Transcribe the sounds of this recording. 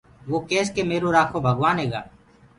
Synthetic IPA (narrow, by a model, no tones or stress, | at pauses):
ʋoːkeːskeːmeːɾoːɾaːkʰoːbʱəɡʋaːnɦeːɡa̰ː